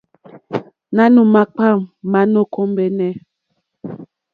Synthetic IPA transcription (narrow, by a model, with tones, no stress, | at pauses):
na˦nu˨ma˦k͡pa˦˨mːa˦no˦˨ko˦mbɛ˦nɛ˦˨